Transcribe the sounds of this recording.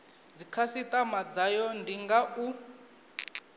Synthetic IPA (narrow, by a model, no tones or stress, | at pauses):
d͡zikʰasitʼamad͡zajɔndiŋɡaʔu